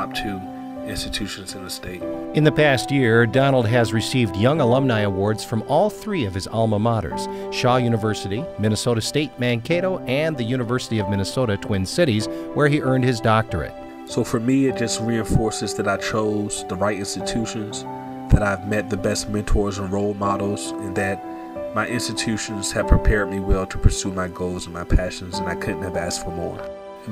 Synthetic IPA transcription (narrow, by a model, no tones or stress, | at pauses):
p̚tʰɨ | ɪ̃nstɨtʰʉʃɨ̃n̩zɨ̃nɨsteɪt̚ɨ̃nðɨpʰæstjɪɹdɑnl̩ˠd̚ɨzɹɨsivdjʌ̃ŋəlʌ̃mnaɪəwɔɹdz̥fɹʌ̃mɔlˠθɹiʌv̥ɨzɑlˠməmɑɾə̰˞z̥ | ʃɑjʉnəvɜ˞sɨɾimɪ̃ñɨsoʊɾɨsteɪt̚mæ̃nkʰeɪɾoʊʔɨ̃nðɨjʉñɨvɜ˞səɾiʌvmɪ̃ñɨsoʊɾɨtʰw̥ɪ̃nsɪɾizwə˞iʔɜ̃˞nd̚ɨzdɑk̚tə˞ɨ̰t̚ | soʊfə˞miɪt̚d̥ʒ̥ʌst̚ɹiɨ̃ɱfɔɹsɨzðɨɾaɪt͡ʃʰoʊz̥ðəɹaɪɾɪ̃nstɨtʰʉʃɨ̃nz̥ | ðɨɾaɪvmɛt̪̚ðɨbɛst̚mɛ̃ntʰɔɹzə̃nɹoʊlˠmɑɾl̩ˠz̥ | ɨ̃nðɨt̚ | maɪʔɪ̃nstɨtʰʉʃɨ̃nz̥ɨv̥pʰɹ̥ipʰɛɹd̚miwɛlˠtʰə̥pʰə˞sumaɪɡoʊlˠzə̃n̩maɪpʰæʃɨ̃nzɨ̃naɪkʰʊdⁿn̩tɨvæstfə˞mɔ̰ɹ